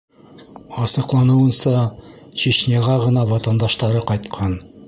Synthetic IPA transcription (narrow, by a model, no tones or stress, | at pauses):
ɒsɤ̆qlˠɑnɤ̆wɤ̆nsɑ | ɕiɕnʲʁɑʁɤ̆nɑvɒt̪ɑnd̪ɑʃt̪ɑɾɤqɒjt̪qʰɑn